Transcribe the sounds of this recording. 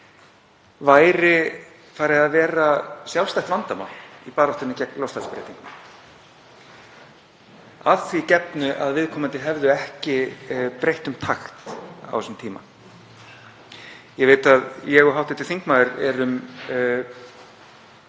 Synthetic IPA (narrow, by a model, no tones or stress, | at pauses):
vaːjɾɪ | faːɾɪðaðvɛːɾasjalwst̪ajht̪vant̪ama̰ipaːɾɔwht̪ʏnːɪcɛklawst̪aspɾḛjt̪iŋkn | aθvicɛpnʏʔaðvɪðkʰɔːmant̪ɪɦɛvðʏɛhcɪpɾejht̪ʏmt̪ʰaxt̪a̰wsʏmt̪ʰiːma̰ | jɛɣveːjt̪aðjɛɣɔɦawht̪ɪt̪ʰɪlθiŋkmaːðɪɾɛɾʏm